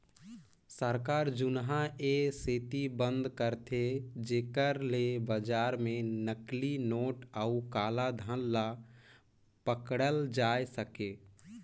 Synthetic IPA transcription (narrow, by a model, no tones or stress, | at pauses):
səɾkaːɾd͡ʒʊnɦaeseːt̪ibə̃nd̪kəɾt̪ʰed͡ʒeːkəɾlebəd͡ʒaːɾmẽnəklinoːʈəukaːlad̪ʱə̃nːa | pəkɽəld͡ʒaːjsəke